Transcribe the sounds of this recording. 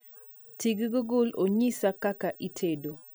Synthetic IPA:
tiɡɡʊɡʊloɲisakakaʔitʰedo

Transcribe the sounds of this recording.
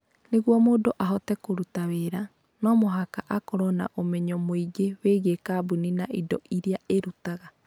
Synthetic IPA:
neɣwɔmodoʔaɦɔtɛkoɾutaweɾa | nɔmoɦakaʔakɔɾɔna̰ʔomɛɲɔmoiɡeweːɣekaːbuninaʔidɔʔiɾiaeɾutaɣa

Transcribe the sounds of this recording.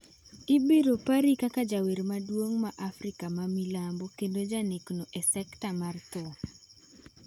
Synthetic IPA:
ɪbeɾopaɾikakad͡ʒaweɾmadwoŋmaʔafɾikamamilambokendod͡ʒaneknoʔɛsɛktamart̪ɔ

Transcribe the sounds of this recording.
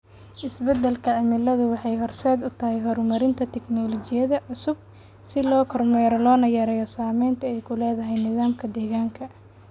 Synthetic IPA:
ʔɪsbɛd̪ɛlkʰɐʕɪmɪlɐðʊwɑħɑjɦɔrsɛːd̪ʊt̪ʰɐɦɛjɦɔɾmɐɾɪnt̪ʰɐt̪ʰɛknɔlɔt͡ʃɪjɐðɐʕʊsʊb̚ | sɪlɔːkʰɔrmɛːɾɔlɔːnɐjɐɾɛjɔsaːmɛjnt̪ʰɐɛjkʰʊlɛːðɐɦɛjnɪðaːmkʰɐd̪ɛːɣaːŋkʰɐ

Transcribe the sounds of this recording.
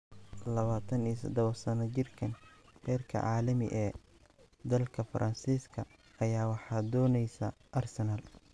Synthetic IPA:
lɐβaːt̪ʰɐniːsɐd̪ɔβɐsɐnɐt͡ʃɪrkʰɐnrɛːrkʰɐ̰ʕɑːlɐmɪ̰ʔɛː | d̪ɐlkʰɐfɐɾʔɐnsiːskʰɐ | ʔɐjaːwɑħɑːd̪ɔːnɛjsɐ̰ː | ʔɐrsɛnɐl

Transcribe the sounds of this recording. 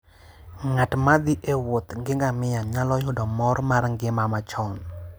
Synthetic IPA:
ŋatmad̪ɪʔewot̪ŋɡɪŋɡamɪjaɲalɔjʊdɔmɔɾmarŋɡɪmamat͡ʃɔn

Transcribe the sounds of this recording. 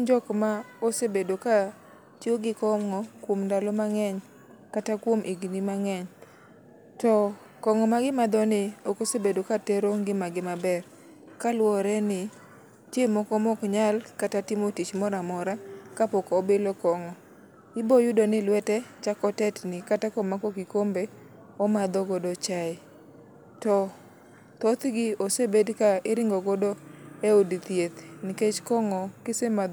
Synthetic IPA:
ɲd͡ʒɔkmaosebedoka | t͡ʃjoɡɪkɔmŋɔkwomndalɔmaŋɛɲ | katakwomʔiɡinimaŋɛɲ | tɔ | kɔŋɔmaɡɪmad̪ɔnɪɔkosebedokatɛɾoŋɡɪmaɡɪmabɛr | kalwɔɾɛnɪ | tjemɔkɔmɔkɲalkatatɪmotit͡ʃmɔɾamɔɾakapɔkːbɪlɔkɔŋɔ | ɪbojʊdonɪlwɛtɛt͡ʃakɔtɛtnɪkatakɔmakɔkikombe | ɔmad̪ɔɡɔdot͡ʃaɪ | tɔ | t̪ot̪ɡɪosebedkaɪɾɪŋɡɔɡodoeudit̪jet̪nɪket͡ʃkɔŋɔkesemad

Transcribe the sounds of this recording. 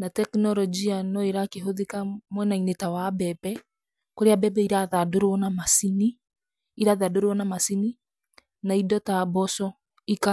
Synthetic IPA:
natɛknɔɾɔd͡ʒianɔeɾakeɦoðekamwɛnainetawabɛbɛ | koɾeabɛbɛiɾaðadoɾwɔnamasini | iɾaðadoɾwɔnamasini | naidɔtabɔsɔ | ika

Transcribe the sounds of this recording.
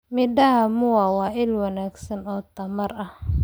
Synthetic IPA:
mɪɖɐɦɐmʊwaːwɑːʔɪlwɐnaːɡsɐnɔːt̪ʰɐmɐrɐh

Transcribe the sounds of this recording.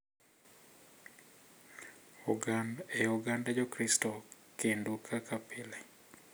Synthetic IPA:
uɡandeuɡandad͡ʒɔkɾistɔkendukʰakapɪlɛ

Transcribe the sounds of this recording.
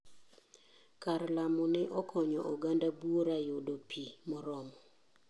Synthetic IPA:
karlamɔnɛʔɔkʰɔɲɔʔoɡandabwoɾajodopʰimɔɾɔmɔ

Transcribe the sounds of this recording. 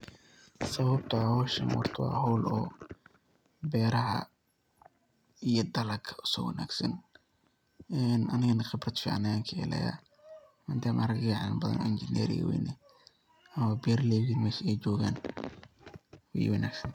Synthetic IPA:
sɐβɐb̚t̪ʰʊwɔːʃɐ̰nwɑ̰rt̪ʰʊwɑ̰ːɦɔwlɔː | bɛːɾɐɦɐ̰ | ijɔd̪ɐlɐɡʰɐʊ̥sɔ̰wɐ̰na̰ːɡsɐn | ɛnɐnɪɣɐnɐχɪbrɐt̪fɪ̰ʕa̰nɐaːŋkʰɪɛ̰lɛ̰ja̰ | mand̪aːmʔaɾɐɡɡaʕanbɐðɐ̰nɪnd͡ʒɪnɛ̰ɾɪ̰ɣɐ̰wɛ̰jnɛ | ɐmɐbɛːɾlɛːɣimɛːʃɛjt͡ʃɔːɣaːn | wɛ̰j̰wɑna̰ːɡsɐnt̪ʰ

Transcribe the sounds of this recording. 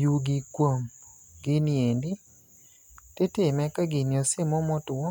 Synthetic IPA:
juɡikwom | ɡɪniendɪ | tɪtɪmɛkaɡɪnjɔsɪmɔmɔtʊwɔ

